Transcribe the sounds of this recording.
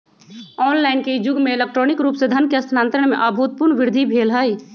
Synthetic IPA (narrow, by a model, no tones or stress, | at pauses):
ɔːnlaːɪnked͡ʒʊɡmeelek̚ʈɾoːnɪkɾuːpsed̪ʱənkeɐsʰnaːnt̪ɾəɽ̃mḛ̃ʔabʱut̪̚pʊɾnʋɪɾd̪ʱibʱeːlɦəj